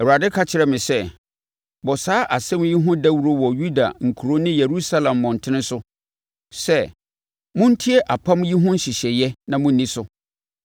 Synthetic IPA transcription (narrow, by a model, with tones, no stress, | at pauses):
ɛ˨wu˨ɾa˨dɪ˦kʰa˦t͡ɕʰɪ˨ɾɛ˨mɪ̃˨sɛ˦ | bɔ˨saː˦ʔa˨sɛ̃˦m˦ji˦ɦʊ̃˦da˦wu˨ɾo˦wɔ˨ju˦da̰˨ŋ̩˨kʰu˨ɾo˦nɪ̃˦je˨ɾu˦sa˦lã˨mːɔ̃˨n̩˨tʰɪ̃˦nɪ̃˦sʊ˦ | sɛ˦˨ | mʊ̃˦n̩˦tʰi˦ɛ˦ʔa˨pʰã˦mji˦ɦʊ̃˦n̩˦ɕɪ˨ɕɛ˨jɛ˦nã˨mʊ̃˦nːĩ˦sʊ˦